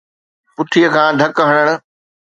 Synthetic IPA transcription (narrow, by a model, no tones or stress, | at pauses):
pʊt̪ʰijəkʰãːd̪ʱɐkɦəɽ̃əɽ̃ʊ̆